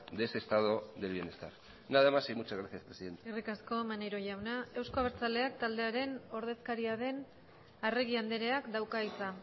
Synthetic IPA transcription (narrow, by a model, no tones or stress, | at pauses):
d̪e̞se̞st̪aðo̞d̪elβienest̪aɾ | naðemasejmut͡ʃazɣɾaθjiaspɾesiðe̞nt̪eirikasko̞maneɾo̞ʝawnae̞wsko̞aβeɾt͡sale̞akt̪ald̪e̞aɾe̞no̞ɾð̞e̞skaɾiaðe̞n | are̞ɣiand̪e̞ɾe̞akd̪awkait͡sa